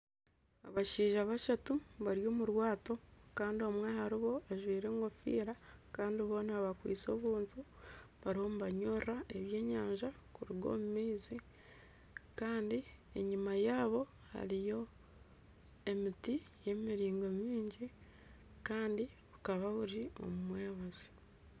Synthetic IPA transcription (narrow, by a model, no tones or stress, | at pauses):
a̰βaʃiːʒaβaʃatuβaɾjo̞ːmuɾwaːto̞kaːndio̞mwahaɾiβo̞aʒwiːɾe̞ːŋɡo̞fḭːɾakaːndiβo̞ːnaβakwḭːt͡so̞ːβuːntu | βaɾiho̞muβaɲorae̞βje̞ːɲaːɲʒa | kuɾiɡo̞̰mumiːzi | kaːndie̞̰ɲimajaːβo̞ | ha̰ɾijo̞ | e̞mitije̞miɾiːŋɡo̞miːɲɟi | kaːndi | βukaβaβuɾio̞̰mumwe̞ːβazi̥